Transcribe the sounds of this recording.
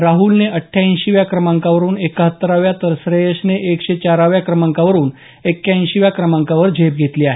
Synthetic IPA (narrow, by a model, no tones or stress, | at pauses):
ɾaɦulneʔəʈʰːjaĩɕiʋjakɾəmaŋkaʋəɾuːnekəɦət̪ːəɾaʋjat̪əɾsɾejeɕneʔekɕet͡ɕaɾaʋjakɾəmaŋkaʋəɾuːn | ekːjaĩnɕiʋjakɾəmaŋkaʋəɾd͡ʑʱep̚ɡʱet̪liːaɦe